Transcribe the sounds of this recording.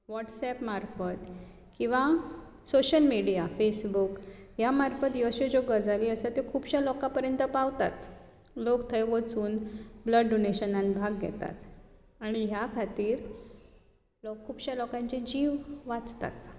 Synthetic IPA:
ʋɔʈsɛpmaɾfət̪ | kĩw̃ʋa | soɕəlmiɽijafesbukɦjamaɾfət̪jiʋɕed͡ʑoɡəd͡zaliəsət̪ekʰuːbɕalɔkapəɾjənt̪əpaʋt̪a̰t̪ | lokt̪ʰəjʋət͡suːnbləɖɖoneɕənãnbʱaɡːʱɛ̰t̪a̰t̪ | aɽ̃iɦjakʰat̪iːɾ | lɔkʰːuːbɕalɔkãɲt͡ɕed͡ʑiʋʋat͡st̪a̰t̪

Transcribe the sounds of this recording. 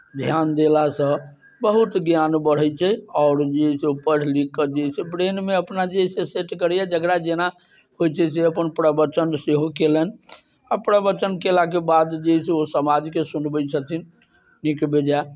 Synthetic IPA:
d̪ʱjand̪elasə̃ | bəɦut̪ɡjanbəɽ̤ət͡ʃʰɛɔʊɾd͡ʒeseupəɾlikːəd͡ʒesebɾenmeəpnad͡ʒeiseseʈkəɾjɛd͡ʒəɡɾad͡ʒena | hojt͡ʃʰɛseəpənpɾəbət͡ʃənseɦokelən | apɾəbət͡ʃənkelakebad̪d͡ʒeseosəmad͡ʒkesunbət͡ʃʰət̪ʰin | nikbed͡ʒa

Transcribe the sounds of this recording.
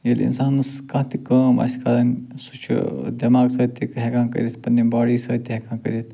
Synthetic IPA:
jelʲḭnsaːnskãt̪ikəːmɐ̰sʲkaːɾɐnʲsut͡ʃʰd̪ɐmaːɡsəːt̪ikɦekãːnkə̰ɾʲit̪ʰpɐnːibaːɽisəːt̪iɦekãːkə̰ɾit̪ʰ

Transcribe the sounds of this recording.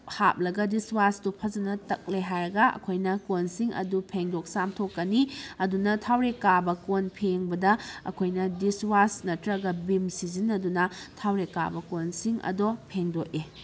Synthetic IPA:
ha̰p̚lɐɡɐdiswastupʰɐzɐnɐtɐk̚leɦajɾɐɡɐɐ̰kʰojnɐkonsiŋʔɐ̰dupʰeŋdok̚samtʰokːɐniɐdunɐtʰawɾekːabɐkonpʰeŋbɐdɐɐ̰kʰojnɐdiswasnɐtɾɐɡɐbimsizinɐdunɐtʰawɾekːa̰bɐkonsiŋɐ̰dopʰeŋdoke

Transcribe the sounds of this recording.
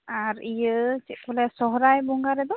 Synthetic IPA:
aɾijɯt͡ʃibɔlɛsɔɦɾajbuŋɡaɾɛd̪ɔ

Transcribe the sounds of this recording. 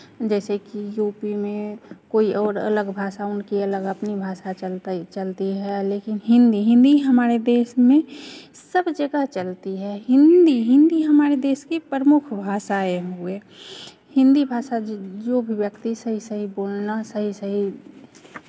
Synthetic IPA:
d͡ʒɛːsekijuːpimẽkoːiʔɔːɾə̰ləɡbʱaːʃaʊnkiələɡəpnibʱaːʃat͡ʃəlt̪t͡ʃəlt̪iɦɛleːkɪnɦɪ̃nd̪iɦɪ̃nd̪iɦəmaːɾed̪eːʃmẽ | səbd͡ʒəɡəɦt͡ʃəlt̪iɦɛɦɪ̃nd̪iɦɪ̃nd̪iɦəmaːɾed̪eːskipɾəmʊkʰbʱaːʃaeɦueː | hɪ̃nd̪ibʱaːʃad͡ʒobʱiwjəkt̪isəɦisəɦiboːlnasəɦisəɦi

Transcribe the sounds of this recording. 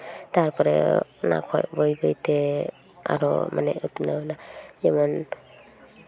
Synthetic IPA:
taɾpʰɔɾḛna̰kʰɔ̰jbɯjbɯjtʰe | a̰ɾɔ̰maneut̪unawnajamɔn

